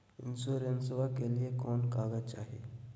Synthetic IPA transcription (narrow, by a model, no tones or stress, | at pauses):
ɪnsoːɾensʋakeliekɔːnkaːɡət͡ʃaːɦeː